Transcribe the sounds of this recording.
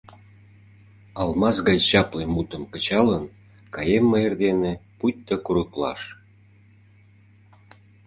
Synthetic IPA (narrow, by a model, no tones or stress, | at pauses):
ɑlmɑsɣɑjɕɑplemut̪əmkə̆t͡ɕɑlən | kɑjemːɤerd̪eneput̚ʲt̪ːəkuɾuklɑ̰ʃ